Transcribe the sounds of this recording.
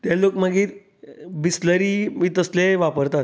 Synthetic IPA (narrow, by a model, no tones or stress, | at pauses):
t̪elokmaɡiːɾ | bisləɾiːmiːt̪əsleʋapəɾt̪at̪